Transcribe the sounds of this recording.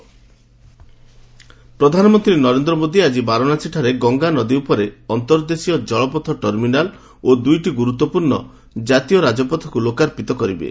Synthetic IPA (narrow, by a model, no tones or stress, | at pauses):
pɾɔd̪ʱanɔmɔnt̪ɾinɔɾend̪ɾɔmod̪iad͡ʒibaɾɔnat͡ʃʰiʈʰaɾeɡɔŋɡanɔd̪iupɔɾeɔnt̪ɔɾd̪esijɔd͡ʒɔɭɔpɔt̪ʰɔʈɔɾminal | od̪ujʈiɡuɾut̪ːɔpuɾɳɔ | d͡ʒat̪ijɔɾad͡ʒɔpɔt̪ʰɔ̥kulokaɾpit̪ɔkɔɾibḛ